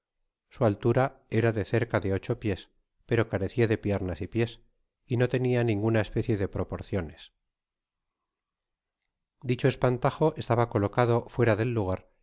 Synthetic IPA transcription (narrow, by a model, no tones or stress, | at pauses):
sualt̪uɾae̞ɾaðe̞θe̞ɾkaðe̞o̞t͡ʃo̞pje̞s | pe̞ɾo̞kaɾe̞θiaðe̞pje̞ɾnasipje̞s | ino̞t̪e̞nianĩŋɡunaespe̞θje̞ðe̞pɾo̞po̞ɾθjo̞ne̞s | d̪it͡ʃo̞e̞spant̪axo̞ʔe̞st̪aβako̞lo̞kað̞o̞fwe̞ɾaðe̞lːuɣ̞aɾ